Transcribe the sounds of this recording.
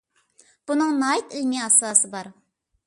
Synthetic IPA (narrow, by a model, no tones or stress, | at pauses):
b̥unɨŋnɑːit̪ilmiɑsɑːsɨbɑɾ